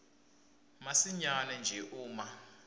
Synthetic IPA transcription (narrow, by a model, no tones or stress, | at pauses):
masiɲanɛnd͡ʒʱɛʔuːma